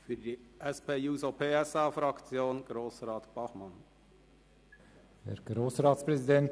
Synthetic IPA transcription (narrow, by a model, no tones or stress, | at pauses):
fyːɾd̪iːʔɛspʰeːjuːsopʰeːɛsɑːfɾɑkt͡sjoːnɡ̥ɾoːsɾɑːt̪b̥ɑχmɑn | hɛɾɡ̥ɾoːsɾɑːt̪spɾɛsid̪ɛnt